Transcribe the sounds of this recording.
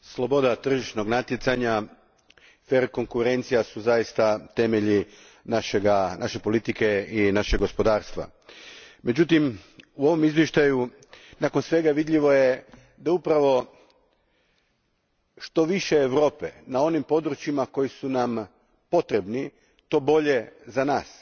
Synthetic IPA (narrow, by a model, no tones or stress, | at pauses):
slˠo̞bo̞d̪at̪r̩ʒiʃno̞ɡnat̪jet̪saɲa | fe̞ɾko̞ŋkuɾe̞nt̪sijasuzajist̪at̪e̞meʎi | naʃeɡanʔa̰ʃe̞po̞lit̪ike̞inaʃeɡo̞spo̞d̪aːɾst̪ʋa̰ | me̞d͡ʑut̪imuo̞ʋo̞mizʋjeʃt̪aju | nako̞nsʋe̞ɡaʋid̪ʎiʋo̞je̞ | d̪aupɾaʋo̞ | ʃt̪o̞ʋiʃeːʋɾo̞ːpenao̞nimpo̞d̪ɾut͡ɕimako̞jisunam | po̞t̪ɾe̞bni | t̪o̞ːbo̞ʎe̞zanaːs